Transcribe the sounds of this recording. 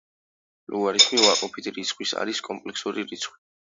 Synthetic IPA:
luaɾiχmivakʼɔpʰit̪ʰɾit̪sʰχʰwisa̰ɾiskʼɔmpʼlɛksuɾiɾit̪sʰχwi

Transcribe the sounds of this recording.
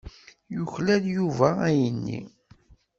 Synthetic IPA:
jʊçlæðjuvææjənːḭ

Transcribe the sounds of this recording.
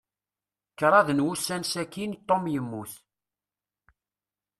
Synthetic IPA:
kːɾˤɑðnwusːænsækːint̪ˤːomjəmːuθ

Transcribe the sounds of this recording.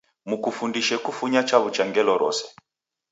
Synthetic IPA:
mukufundiʃɛkufuɲat͡ʃaβut͡ʃaŋɡɛlɔɾɔ̰sɛ̥

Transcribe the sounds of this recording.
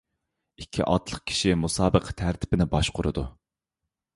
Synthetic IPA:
ikʲʰːḭʔɑt̪lˠəχ̚kʲʰi̥ʃimusɑːbəqʰt̪ʰæɾt̪ʰɪ̥pɪnɪbɑʃqʊɾɨ̰d̪u

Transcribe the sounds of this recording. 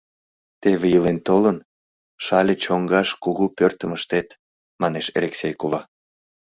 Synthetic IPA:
t̪eβejəlent̪olən | ʃɑlʲet͡ɕoŋɡɑʃkuɣupørt̪əməʃt̪et̪ | mɑneʃḛlʲeksʲejkovɑ

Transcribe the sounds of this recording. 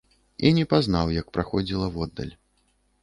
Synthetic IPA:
inʲɛpaznawjɐk̚pɾaxɔd͡zʲilˠɐwɔd̪ːɐ̰lʲ

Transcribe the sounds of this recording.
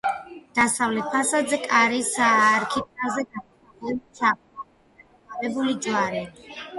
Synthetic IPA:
d̪̥asavlɛt̪̚pʰasad̪zɛkʼaɾisaɾkʰit̪̚ʼazɛɡat | aɛsap | a | a | avɛbulid͡ʒwaɾɛ

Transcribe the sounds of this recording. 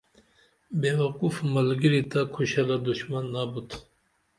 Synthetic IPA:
bewɐqufmɐlɡiɾit̪ʰakʰoʃalad̪uʃmanːabut̪ʰ

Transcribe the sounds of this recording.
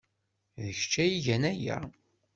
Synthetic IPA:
ðəçt͡ʃːæjiʝænæjæ̰

